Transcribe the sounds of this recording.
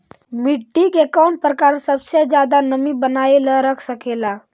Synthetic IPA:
miʈːikekɔmpɾəkaːɾsəbsed͡ʒjad̪anəmibənaeləɾəkʰsəkela

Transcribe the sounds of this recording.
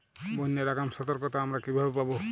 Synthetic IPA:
bonːeɾakamsɔt̪ɔɾkɔt̪ɔamɾakibʱabpabo

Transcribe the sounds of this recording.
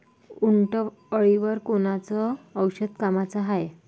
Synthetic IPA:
uɳʈə | əɭiʋəɾkoñat͡sɔːwɕəd̪kamat͡saɦaj

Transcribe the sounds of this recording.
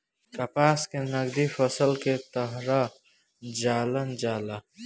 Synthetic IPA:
kɐpaːskenəɡd̪ifəsəlket̪əɦɾa | d͡ʒaːlənd͡ʒaːla

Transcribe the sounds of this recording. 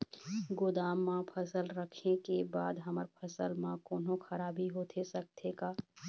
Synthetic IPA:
ɡʊd̪aːmːãpʰɐsəlɾəkʰekebaːd̪ɦɐməɾpʰəsəlmãkɔːnõxɐɾaːbiɦoːt̪ʰesɐk̚t̪ʰekaː

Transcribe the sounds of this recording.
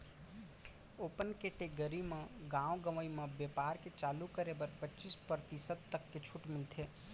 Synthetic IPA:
opənkeʈeɡəɾimẽɡãwɡəʋəiməbjepaːɾket͡ʃalukəɾebəɾpətːt͡ʃispəɾt̪isəd̪̚t̪əkːet͡ʃʰuʈmɪlt̪ʰe

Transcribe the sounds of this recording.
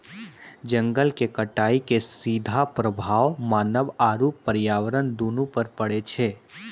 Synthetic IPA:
d͡ʒə̃ŋɡəlkekəʈaːikesiːd̪ʱapɾəbʱaːʋmaːnəʋaːɾuːpːəɾjaːʋəɾənd̪oːnũpəɾpəɽet͡ʃʰeː

